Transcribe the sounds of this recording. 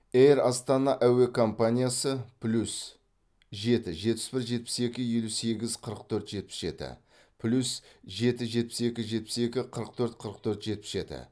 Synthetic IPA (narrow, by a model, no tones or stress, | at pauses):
ejrɑst̪ɑnɑʔæwe̞kʰo̞mpanʲijasəpʰlʲus | ʒe̞t̪ɪʒe̞t̪̚pɪ̥sbɪɾʒe̞t̪̚pɪ̥se̞kʲɪje̞luse̞ɡʲɪzqʰəɾəqt̪ʰɵɾt̪ʒ̥e̞t̪̚pɪ̥sʒe̞̰t̪ɪ̰ | pʰlʲusʒe̞t̪ɪʒe̞t̪̚pɪse̞kʲɪʒe̞t̪̚pɪ̥se̞kʲɪqʰəɾəq̚t̪ʰɵɾt̪qʰəɾəq̚t̪ʰɵɾt̪ʒ̥e̞t̪̚pɪsʒe̞̰t̪ɪ̰